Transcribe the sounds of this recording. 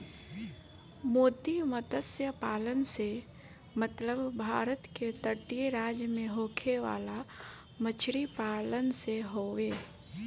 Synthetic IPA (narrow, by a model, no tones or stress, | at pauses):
moːd̪imət̪əsjəpaːlənse | mət̪ləbbʱaːɾət̪ket̪əʈijeɾaːd͡ʒjəmẽɦoːkʰeʋa̰ːla | mət͡ʃʰɽipaːlənseɦoːʋeː